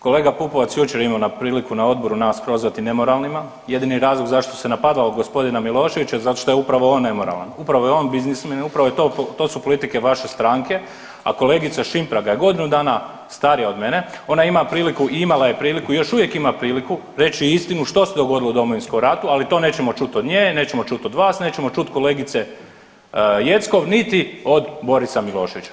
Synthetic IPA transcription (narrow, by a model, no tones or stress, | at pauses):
ko̞le̞ːɡapupoʋat̪sjut͡ʃeɾimanapɾiːlikunao̞d̪̚bo̞ɾunaːspɾo̞zʋat̪ine̞mo̞ɾalˠnima | je̞d̪iniɾaːzlˠoɡzaʃt̪ose̞napad̪laod̪ɡo̞spo̞d̪inamilˠo̞ːʃe̞ʋit͡ɕazat̪oʃt̪o̞jeupɾaʋoo̞nːe̞mo̞ɾa̰lˠa̰nupɾaʋo̞jeo̞ːnbiznismenupɾaʋo̞jet̪ot̪o̞supo̞lit̪ike̞ʋaʃe̞st̪ɾaŋke̞ | a̰ko̞le̞ːɡit̪saʃimpɾaɡaje̞ɡo̞d̪inud̪aːna | st̪aɾijao̞d̪me̞ne̞o̞naimapɾiːlikuʔiimalaje̞pɾiːlikuijo̞ʃuʋje̞kimapɾiːliku | ɾe̞t͡ɕiist̪inuʃt̪o̞sed̪o̞ɡo̞d̪iloud̪o̞mo̞ʋinsko̞mɾat̪ualit̪o̞ne̞t͡ɕe̞mo̞t͡ʃut̪od̪ɲeːne̞ːt͡ɕemo̞t͡ʃut̪o̞d̪ʋaːsne̞ːt͡ɕemo̞t͡ʃut̪ko̞le̞ːɡit̪se | je̞t̪sko̞ʋnit̪io̞d̪bo̞ɾisamilˠo̞ːʃe̞ʋit͡ɕḁ